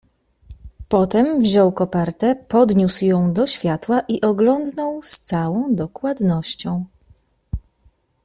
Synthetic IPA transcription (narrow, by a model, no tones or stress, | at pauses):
pɔt̪ɛmvʑɔwkɔpɛɾt̪ɛpɔd̪ɲusjɔ̃w̃d̪ɔɕfʲjat̪waʔiʔɔɡlɔnd̪nɔwst̪sawɔ̃w̃d̪ɔkwad̪nɔɕt͡ɕɔ̃w̃